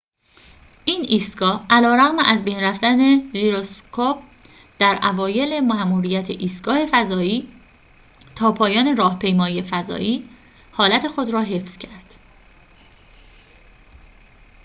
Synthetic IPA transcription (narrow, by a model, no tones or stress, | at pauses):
ʔiːniːst̪ɡɒːhʔælɒːɾæɣmeʔæzbe̞jnræfd̪æne̞ʒiɾoskʰop̚ | d̪̥æɾʔævɒːje̞le̞mæmuːɾijæt̪ʰeʔiːst̪ɡ̥ɒːhe̞fæzɒːiː | t̪ʰɒːpʰɒːjɒːne̞ɾɒːhpʰe̞jmɒːiefæzɒ̰ːʔiː | hɒːlæt̪ʰe̞xo̞d̪ɾɒːɦe̞fz̥cʰæɾd̪̥